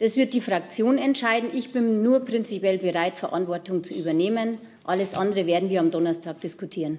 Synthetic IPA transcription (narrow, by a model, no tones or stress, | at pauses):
d̥asv̥ɪɐt̚d̥iːfʁ̥ak̚t͡sjoːnɛntʃaɪdn̩ʔɪçb̥ɪnːuːɐpʁ̥ɪnt͡sipjɛlbəʁaɪtfɛɐʔa̰ntv̥ɔɐtʊŋt͡suʔyːbɐneːmən | ʔaləsʔandəʁəveːɐdn̩viːɐamdɔnɐstʰaːk̚d̥ɪskutʰiːʁən